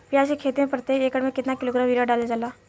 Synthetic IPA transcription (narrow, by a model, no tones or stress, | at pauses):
pijasekʰet̪ẽmpɾət̪eekəɽmeket̪nakiloɡɾamʋiɾaɖaled͡zala